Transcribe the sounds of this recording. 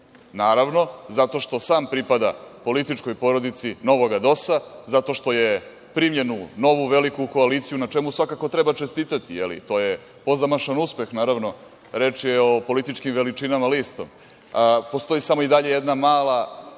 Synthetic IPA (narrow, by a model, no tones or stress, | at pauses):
naːɾaʋno̞zat̪o̞ʃt̪o̞saːmpɾipad̪a̰po̞lit̪it͡ʂko̞jpo̞ɾo̞d̪it̪sino̞ʋo̞ɡad̪o̞sazat̪o̞ʃt̪o̞je | pɾimʎenuno̞ʋuʋelikuko̞aliːt̪sijunaʈ͡ʂe̞musʋakako̞t̪ɾe̞bat͡ʃest̪iːt̪at̪ijḛlḭt̪o̞je̞ | po̞zamaʃanuspe̞xnaːɾavno̞ | ɾe̞ːt͡ʂjeopo̞lit̪it͡ʃkimʋe̞lit͡ʂinamalist̪o̞̰m | po̞st̪o̞jisamo̞id̪aʎe̞jed̪namaːlˠa